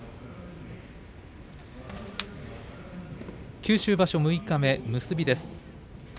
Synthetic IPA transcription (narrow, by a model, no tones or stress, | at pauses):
kʲɨːɕɨːbaɕo̞mɯ̟ikame̞mɯ̟sɨbʲid̪e̞sɨ̥